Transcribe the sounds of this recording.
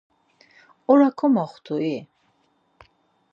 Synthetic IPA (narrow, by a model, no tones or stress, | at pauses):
ɔɾakʰɔmaχt̪ʰui